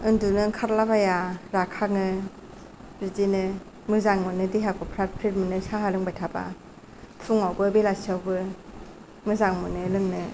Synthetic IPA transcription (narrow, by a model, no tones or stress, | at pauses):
ɯndunɯkʰaɾlabajaɾakʰaŋɯ | ɾizinɯ | mɯzaŋmɯnɯdiɦakʰɔpʰɾat̚pʰɾit̚mɯnɯsaɦalɯŋbajtʰaba̰ | tʰuŋawbɯbelasawbɯ | mɯzaŋmɯnɯlɯŋnɯ